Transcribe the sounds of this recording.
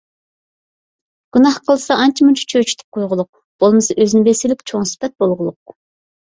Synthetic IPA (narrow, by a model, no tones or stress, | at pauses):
ɡ̥unɑhqʰəlˠɨsɑɑnt͡ʃʰimunt͡ʃʰi̥t͡ʃʰøwt͡ʃʰy̥t̪ʰy̥p̚qʰojʁʊlˠʊq̚ | b̥olˠmɨsɑʔøzinɪbesɪlɪkʲt͡ʃʰoŋsɪ̥pɛt̪̚bolˠʁʊlˠʊq̚